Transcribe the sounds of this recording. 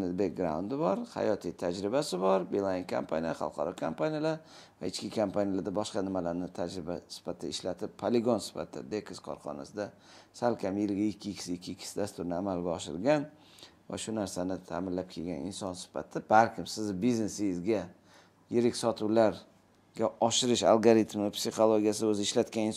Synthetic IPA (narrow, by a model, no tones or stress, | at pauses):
nɪd̪bek̚ɡɾa̰ʊnd̪ɪbɒɾha̰jɒt̪ʰit̪ʰad͡ʒɾɪbasɪbɒɾbelˠaiŋkʰa̰mpʰa̰nijaχɑ̰lˠqʰɑɾɒkʰampanijalaɾ | va̰ɪt͡ʃkʲɪkʰampʰanijalaɾd̪abɒʃqɑnɪmalaɾnɪt̪ʰad͡ʒɾɪbasɪ̥fat̪ʰːaɪʃlat̪ʰɪpːʰaleɡonsɪ̥fa̰t̪ʰːa̰d̪ekʲʰɪskʰɒ̰ɾχɒ̰na̰sɪd̪a | salkʲʰamjɪlɡʲaɪkʲʰːɪkʲʰɪ̥sɪɪkʲʰːɪɪkʲʰːɪ̥sɪd̪ast̪ʊɾnɪamalɡʲaɒʃɪ̰ɾɡʲan | va̰ʃʊnaɾsanɪt̪ʰa̰ːmɪnlap̚kʲʰelɡʲanɪ̰nsɒnsɪ̥fa̰t̪ʰɪbalkʲɪmsɪzbiznesɪjɪzɡʲa | jeɾɪkʲsɒt̪ʰuwlaɾ | ɡʲaɒʃɪɾɪʃa̰lˠɡoɾit̪mɪpsiχolˠoɡʲijasɪɵzɪɪʃlat̪kʲanɪn